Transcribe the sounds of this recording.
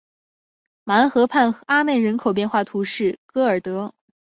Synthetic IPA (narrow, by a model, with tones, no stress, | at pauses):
ma˧˥nxɤ˧˥pʰa˥˩nxa˥ne˥˩ɪɻə˧˥nkʰo˨˩ʊp̬jɛ˥˧nxwa˥˩t̪ʰu˧˥ʂɻ̩˥˩kɤ˧˥ə˞˨˩t̪ɤ˧˥